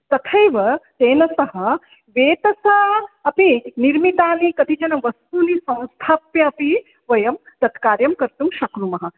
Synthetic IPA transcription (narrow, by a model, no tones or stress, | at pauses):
t̪ɐt̪ʰɐjʋɐt̪eːnɐsɐɦɐ̆ | ʋeːt̪ɐsɐɐpiniɾmit̪aːnikɐt̪ʰid͡ʒɐnɐʋɐst̪unisɐ̃w̃st̪ʰaːpjɐɐpi | ʋɐjɐmt̪ɐt̪kaːɾjɐmkɐɾt̪umʃɐknumɐɦɐ̆